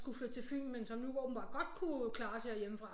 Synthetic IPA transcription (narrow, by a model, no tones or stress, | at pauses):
ɡ̥ufløð̥ˠt͡sʰe̝lfil̰m̩mensɒ̽mnuʋɒ̰ːb̥n̩b̥ɑ̈ɡ̥ɒ̽d̥̚kʰukʰlɑ̈ːsʰeæɐjeməfʁɑ̈